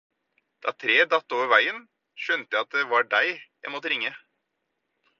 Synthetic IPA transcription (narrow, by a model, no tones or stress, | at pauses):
d̪̥ɑ̰ːt̪ʰɾeːd̪ɑt̪ːoːʋəɾʋæɪən | ʃœnt̪əɑt̪̚d̪eʋɑɖæɪæ̰moːt̪ɾɪŋːə